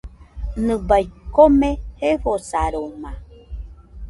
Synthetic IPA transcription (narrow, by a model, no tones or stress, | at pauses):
nɨ̃bajkomẽheɸosaɾomã